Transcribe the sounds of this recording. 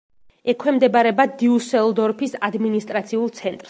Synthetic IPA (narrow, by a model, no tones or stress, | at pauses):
ɛkʰwɛmd̪ɛbaɾɛbad̪iusɛlˠd̪ɔɾpʰisad̪minist̪ʼɾat̪sʰiulˠt̪sʰɛnt̪ʼɾs